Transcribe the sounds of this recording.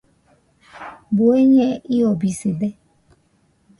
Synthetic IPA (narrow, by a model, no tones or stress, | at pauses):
boeɲeiɔbisedɛ